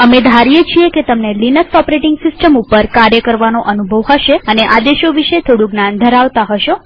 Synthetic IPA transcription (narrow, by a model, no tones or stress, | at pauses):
əmed̪ʱaɾijet͡ʃʰieket̪əmnelinəksɔpɾeʈɪŋɡsɪsʈəmupəɾkaɾjəkəɾʋanoʔənubʱəʋɦəʃeəneʔad̪eʃoʋiʃet̪ʰoɽũɡnand̪ʱəɾaʋt̪aɦəʃo